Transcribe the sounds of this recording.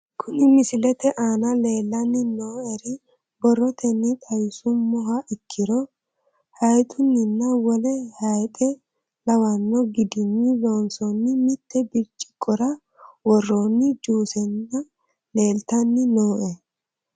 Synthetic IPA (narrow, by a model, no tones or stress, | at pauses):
kʰʊnɪmɪsɪlɛt̪ɛʔaːnɐle̞ːlːɐnːɪnoːɛɾɪ | bɔrːɔt̪ʰɛnːit̪ʼɐjɪsʊmɔɦɐʔɪkʰːɪɾɔ | hɐjt̪ʼʊnːɪnːɐwɔlɛhɐjt̪ʼɛ | lɐwɐnːɔɡɪd̪ɪnːiloːnsɔnːɪmɪt̪ːɛbɪɾt͡ʃʼɪ̥kɔɾɐ | wɔrːoːnːɪd͡ʒuːsɛnːɐ | le̞ːlt̪ɐnːɪnoːʔɛ